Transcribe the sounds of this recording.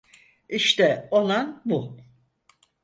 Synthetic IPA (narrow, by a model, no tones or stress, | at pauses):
iʃt̪ɛolˠanbu